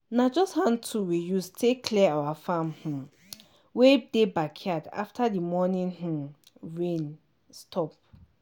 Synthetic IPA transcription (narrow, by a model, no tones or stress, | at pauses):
nad͡ʒɔsthãntʰuwijustʰekʰliawafãmhũ | wedebakʰiada̰ftʰadimɔnĩnɦũ | ɹẽn | stʰɔp̚